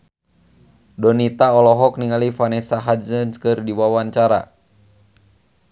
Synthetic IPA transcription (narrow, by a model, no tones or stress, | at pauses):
dɔnit̪aɔlɔɦɔk̚niŋalifanɛsaɦazənskɨrdiwawaɲt͡ʃaɾa̰